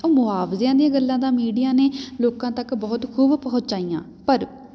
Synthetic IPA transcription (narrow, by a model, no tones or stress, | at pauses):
oːmʊaːfzjãːd̪iãːɡəlːãːd̪aːmiːɖijaːneːloːkãːt̪əkbɔːt̪kʰuːbpəɦʊ̃t͡ʃt͡ʃaːijã̰ː | pəɾ